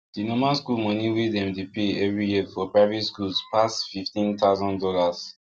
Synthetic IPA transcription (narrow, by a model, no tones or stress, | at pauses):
d̥inɔmaskulmɔniwedɛ̃mtepʰeɛvɹijiəfɔpɹaɪvɛtskulspʰasfiftĩnt̪aʊzɔ̃ndɔlaz̥